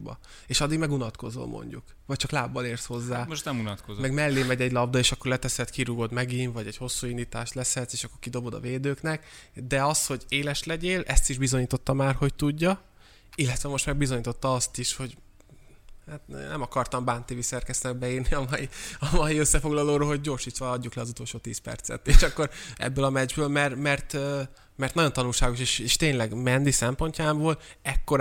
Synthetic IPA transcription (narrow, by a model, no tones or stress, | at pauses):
bɒ̰ | eːʃɒd̪ːiɡmɛɡunɒt̪ko̞zo̰ːmʔo̰ɲɟuk | vɒc̚t͡ʃɒklaːbːɒleːrsho̞zːaːmoʃnɛmunɒt̪komɛɡmɛlːeːmɛɟɛɟlɒbd̪ɒeːʃɒkːo̞rlɛt̪ɛsɛt̪kiɾuɡo̞d̪mɛɡinvɒɟɛɟho̞sːuːind̪iːt̪aːʃt̪lɛsɛt̪seːʃɒkːo̞rkid̪o̞bo̞d̪ɒ̰veːd̪øːknɛkd̪ɛɒsho̞ɟeːlɛʃlɛɟeːlɛst̪iʒbizo̞ɲiːt̪o̞t̪ːɒmaːrho̞c̚t̪uɟːɒ | ilːɛt̪ʋɛmo̞ʃt̪mɛɡ̚bizo̞ɲiːt̪o̞t̪ːɒɒst̪iʃho̞ɟ | haːt̪ːnɛmɒkɒrt̪ɒmbaːnt̪iːvisɛrkɛst̪nɛɡ̚bɛiːrniɒmɒjiɒmɒjiøsːɛfo̞ɡlɒloːɾoːlɦo̞ɟɟo̞ːrʃiːt̪ʋɒɒɟːuklɛɒzut̪o̞lʃoːt̪iːspɛ̰rt̪sɛ̰t̪ːeːʃɒkːo̞ɾɛ̰bːøːlɒmɛd͡ʒbøːlmɛrmɛrt̪ø | mɛrt̪nɒɟo̞nt̪ɒnulʃaːɡo̞ʃeʃeːʃt̪eːɲlɛɡmɛnd̪isɛmpo̞ɲcaːmboːlɛkːo̞ɾ